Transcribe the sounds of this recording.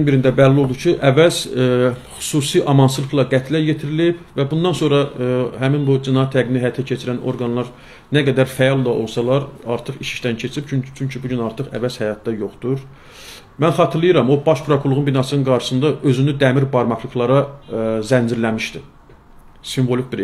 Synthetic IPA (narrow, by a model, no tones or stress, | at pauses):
nbiɾind̪æbælːio̞lˠd̪ut͡ʃʰiʔævæz̥χy̥susiʔɑmɑnsɯlˠɯklˠɑɡæt̪ʰlæjet̪ʰiɾilibvæbund̪ɑnso̞nɾɑhæminbud͡ʒinɑt̪ʰːæɡminiɦæjɑt̪ʰæcʰe̞t͡ʃʰiɾænʔo̞̰ɾɡɑnlˠɑɾ | næɡæd̪æɾfæjɑlˠd̪ɑʔo̞lˠsɑlˠɑɾɑɾt̪ʰɯχiʃi̥ʃt̪æncʰe̞t͡ʃʰiɾipʰyt͡ʃʰyɲcʰibuɟynɑɾt̪ɯχæ̰væz̥hæjɑt̪̚d̪ɑjo̞χd̪̥uɾ | mænχɑt̪ʰɯɾlˠɯjɯɾɑmo̞bɑʃpʰɾokʰulˠuʁunbinɑsɯnɯnɡɑɾʃɯ̥sɯnd̪ɑʔø̞zynyd̪æmiɾbɑɾmɑχlˠɯklˠɑɾɑzænd͡ʒiɾlæmiʃd̪i | siɱvo̞likbiɾ